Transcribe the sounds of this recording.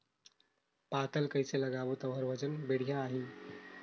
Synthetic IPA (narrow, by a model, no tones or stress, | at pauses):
pat̪əlkəjseləɡaʋot̪əʋəɾʋəd͡ʑənbeɽ̤ijãːɦi